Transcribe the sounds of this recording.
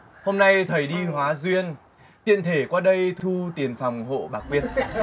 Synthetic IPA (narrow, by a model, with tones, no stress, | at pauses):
ho˧mna˧jt̪ʰə˨˩jɗi˧ɦwaː˨˦zwi˧ən | t̪ḭ˧˨ənt̪ʰe˧˩kwaː˧ɗə˧jt̪ʰu˧t̪i˨˩ənfa˨˩wŋ͡mɦo̰˧˨ɓaː˨˩kwi˧ən̚